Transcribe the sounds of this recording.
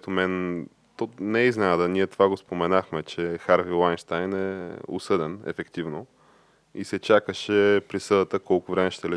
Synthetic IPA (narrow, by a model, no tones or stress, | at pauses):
t̪ʊmɛn | t̪onɛiznɛnad̪əniɛt̪ovaɡospomɛnaxmɛt͡ʃɛxaɾvilˠajnʃt̪ajnɛʊ̰sɤd̪ɛnɛ̰fɛkt̪ivno | ḭsɛt͡ʃakəʃɛpɾisɤd̪ət̪əkɔlˠkʊvɾɛmɛʃt̪ɛlɛ